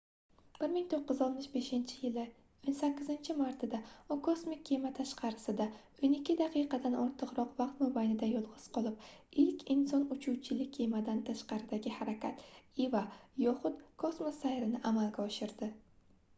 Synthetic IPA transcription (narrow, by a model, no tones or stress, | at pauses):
b̥ɪɾmɪŋt̪ʰoqːɨzɒlˠt̪mɪʃbe̞ʃɪnt͡ʃʰɪjɪlɪ | onsakʲːɪzɪnt͡ʃʰɪmaɾt̪ʰd̪aʊkʰosmɪkʲʰːemat̪ʰaʃqʰɑɾɪsɪd̪a | onɪkʲːɪd̪aqʰɨjqɑd̪anɒɾt̪ʰɨqɾɒqvɑqt̪mobajnɪd̪ajɒlˠʁɨz̥qʰɒlˠɪp̚ɪlkʲʰɪnsɒnʊt͡ʃʰuwt͡ʃʰɪlɪkʲʰːemad̪ant̪ʰaʃqɑɾɪd̪aɡʲɪhaɾakʲat̪ivajɒχʊt̪kʰosmosajɾɪnɪʔamalɡʲaɒʃɪɾd̪ɪ